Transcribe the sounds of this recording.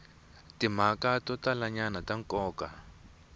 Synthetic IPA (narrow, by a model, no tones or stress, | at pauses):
tim̤akatɔtalaɲanataŋkɔːka